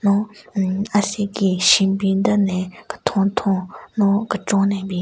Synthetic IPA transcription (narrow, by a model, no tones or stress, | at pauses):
no | asekiɕinpind̪ənɛːkə̥t̪ʰot̪ʰoŋnokəʈ͡ʂoŋnepiː